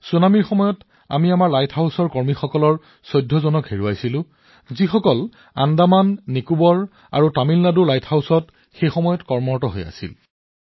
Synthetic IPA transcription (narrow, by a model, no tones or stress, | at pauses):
sunamiɹxɔmɔjɔt | a̰miamaɹlajtʰhawsɔɹkɔɹmixɔkɔlɔɹ | sɔjdʱːɔzɔnɔkɦeɹuajsilʊ̃ | zixɔkɔl | a̰ndamanːikubɔɹ | a̰ɹutamilnaduɹlajtʰhawsɔt | xejxɔmɔjɔtkɔɹmɔɹtɔɦoja̰sḭl